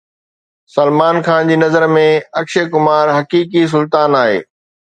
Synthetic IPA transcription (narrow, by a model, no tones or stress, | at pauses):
sɐlmaːnkʰaːnd͡ʑiːnɐzəɾmẽɐkʃekʊmaːɾɦɐkiːk̬is̬ʊlt̪aːnaːɦḛː